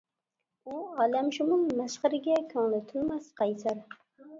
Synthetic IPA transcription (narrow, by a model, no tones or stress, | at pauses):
ʊɒlamʃʊmʊmmaʃχɨɾɪɡʲakʲʰɒŋlɪt̪ʰʊlmasqʰɑjsaɾ